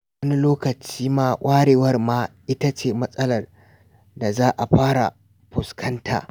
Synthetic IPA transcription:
wɐ˦ni˦loː˦kɐ˨t͡ʃiː˦maː˦ʔʷʼaː˦ɽeː˨wɐ˦rmaː˦ʔɪ˦ta˦t͡ʃeː˨mɐ˦sʼɐ˦lɐ˨r | da˨zaː˦ʔa˨ɸaː˦ɽa̰˨ | ɸʊ˨skʰɐ˦ntʰa̰ː˨

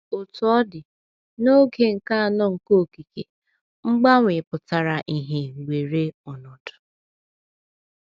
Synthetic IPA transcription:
o˨tʊ˨˦ɔ˦dɪ˨ | no˦ɡe˨ŋ̩˨ka˦a˨nɔ˦ŋ̩˨ko˦˨ki˨ke˨ | ŋ͡m̩˦ɡ͡ba˦ŋʷɪ˨pʊ˨ta˨ɾa˨ʔi˨ɦe˨wʷe˨ɾe˦ʊ˨nɔ˨dʊ̥˨

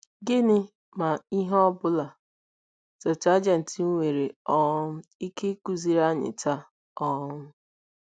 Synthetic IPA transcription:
ɡɪ˦nɪ˦ | ma˨i˦ɦɔ˦bʊ˦la˨ | tɔ˨t͡ʃa˦d͡ʒa˨n̩˨ti˨n̩˦wʷe˨ɾe˨ɔ˦m̩˦i˦ke˦ku˨zi˨ɾa˦ɲɪ̰˨tʰa˦ | ɔ˦m˦

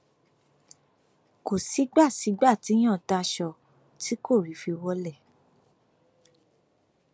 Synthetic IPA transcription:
ko˨si˨˦ɡ͡ba˦˨si˨˦ɡ͡ba˦˨ti˨˦j̃ɔ̃˦˨ta˧ʃɔ˧˨ | ti˨˦ko˦˨ɾi˨˦fi˧wɔ˦lɛ˦˨

